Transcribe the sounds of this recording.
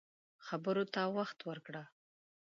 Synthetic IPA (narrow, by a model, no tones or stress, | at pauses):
xabəɾot̪awaxt̪wəɾkɽa